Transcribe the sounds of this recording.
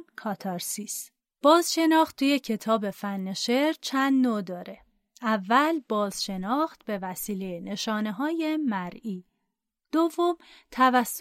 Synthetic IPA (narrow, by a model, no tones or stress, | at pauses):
kʰɒːt̪ʰɒɾsis | b̥ɒːzʃe̞nɒːχt̪t̪ʰːuːje̞cʰe̞t̪ʰɒːbe̞fænːeʃe̞ɾt͡ʃʰænd̪nod̪ɒːɾe̞ | ʔævːælbɒːz̥ʃe̞nɒːxt̪̚be̞væsiːle̞jene̞ʃɒːne̞ɦɒːje̞mæɾiː | d̪̥ovːomt̪ʰævæsː